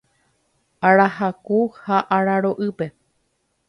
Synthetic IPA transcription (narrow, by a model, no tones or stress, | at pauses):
aɾahakuhaʔaɾaɾoʔɨpe̞